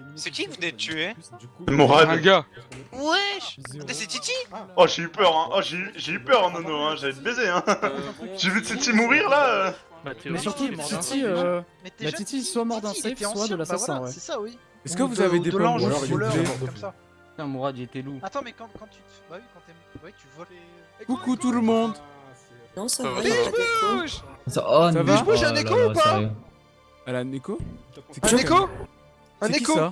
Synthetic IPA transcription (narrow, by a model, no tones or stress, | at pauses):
sekivunɛyemɔʁad̪ɡawɛ | set̪it̪iɔʒeypœʁɛ̃ʔɔʒeyʒeypœʁɑ̃nɔnɔ̃ɛ̃ʒavɛd̪əbezeɛ̃ | ʒ̥evyt̪it̪imuʁiʁlaø | mɛsyʁt̪ud̪ĩt̪iømlait̪iswamɔʁd̪ɑ̃seswad̪əlasaɛ̃wɛɛsawi | ɛskəvuzaved̪eɔ̃ʒalema | ɛ̃muʁad̪iet̪ɛluat̪mɛkkɑ̃ | wĩ | wi | kukut̪uləmɔ̃d̪ | nɔ̃sa | sa̰ʔɔvɛʒbuʒɛ̃ekoupa | alanekosɛ̃ekõ | ɛeikosa